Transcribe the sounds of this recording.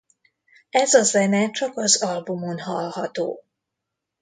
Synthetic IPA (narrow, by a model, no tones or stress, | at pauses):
ɛzɒzɛnɛt͡ʃɒkɒzɒlbumonɦɒ̰lhɒt̪o̰ː